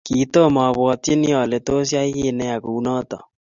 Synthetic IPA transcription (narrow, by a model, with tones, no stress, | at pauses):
ki˨˦to˦˨mɔ˨βwɔ˨te˦ni˦ɔ˨le˨to˦s̬ja˦i˦ɣe˦˨nɛ˦a˨ku˨u˦nɔ˦tɔ̰˨